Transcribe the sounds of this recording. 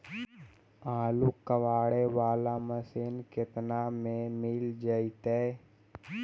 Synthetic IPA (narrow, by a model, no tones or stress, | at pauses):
aːlukəʋaːɽeʋaːlaməsɪnkɪt̪namẽmɪld͡ʒəit̪e